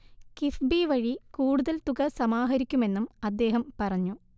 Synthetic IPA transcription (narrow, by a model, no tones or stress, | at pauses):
kifbiʋɐɻikuːɽuðɐlt̪uɣɐsɐmaːɦɐɾikʲːume̞nːumɐd̪ːe̞ːɦɐmpɐrɐɲːu